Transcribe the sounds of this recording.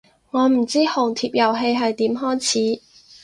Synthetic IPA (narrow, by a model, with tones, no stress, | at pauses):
ŋɔː˨˧m̩˨˩t͡siː˥hʊ˨˩ŋt̪ʰiː˧˨p̚jɐ˨˩wɦe˧jɦɐ˨jt̪iː˨˥mɦɔː˥jt͡sʰiː˨˥